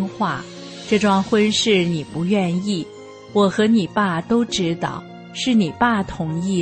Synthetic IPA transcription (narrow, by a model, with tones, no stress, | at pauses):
ŋxwa˥˩ | ʈ͡ʂɤ˥˧ʈ͡ʂwɑ˥˧ŋxwə˥nʂɻ̩˥˩ni˨˩pu˧˥ɥɛ˥˧ni˥˩ | wɔ˨˩xɤ˧˥ni˨˩pa˥˩t̪o˥ʊʈ͡ʂɻ̩˧˥t̪ɑ̰˨˩˦ʊ | ʂɻ̩˥˩ni˨˩pa˥˩t̪ʰʊ˧˥ŋi˥˩